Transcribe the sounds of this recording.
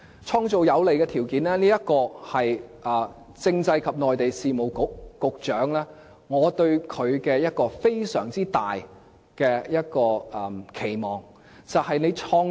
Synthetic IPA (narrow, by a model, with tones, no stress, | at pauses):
t͡ʃʰɔː˧ŋt͡so˨wjɐ˨˧wle˨jkɛː˧t̪ʰiː˨˩wkiː˨˥nlɛː˥niː˥jɐ˥t̚kɔː˧hɐ˨jʔɐː˨˩ | t͡sɪ˥˧ŋt͡sɐ˧jkʰɐ˨p̚nɔː˨jt̪e˨jsiː˨mo˨˩wkʊ˨˧kːʊ˨k̚t͡ʃœː˨˥ŋlɛː˥ | ŋɔː˨˧t̪ɵ˧ɥkʰɵ˨˧ɥkɛː˧jɐ˥t̚kɔː˧fe˥jsœː˨˩ŋt͡siː˥t̪aː˨j | kɛː˧jɐ˥t̚kɔː˧˨kʰe˨˩jmɔː˨˩ŋ | t͡sɐ˨whɐ˨jne˨˧jt͡ʃʰɔː˧ŋ